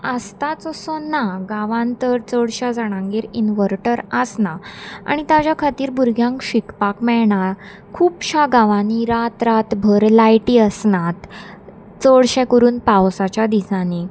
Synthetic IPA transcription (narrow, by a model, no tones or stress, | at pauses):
əst̪at͡sɔsɔnaɡaʋãnt̪əɾt͡səɽɕad͡zaɽ̃ãŋɡeɾinʋəɾʈəɾəsnaa̰ɽ̃it̪jat͡ɕjakʰat̪iːɾbuɾɡʱjãŋkɕikpakmɛɭɳaɾ | kʰuːpɕaɡaʋaniɾat̪ɾat̪bʱəɾlajʈiːəsnat̪ | t͡səɽɕɛ̃kəɾuːnpawsat͡ɕjad̪isani